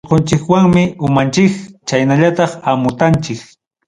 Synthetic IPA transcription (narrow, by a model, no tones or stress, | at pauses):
qont͡ʃɪkwaŋmɪʊmant͡ʃɪkt͡ʃajnaʎat̪ɑχamʊt̪ant͡ʃɪk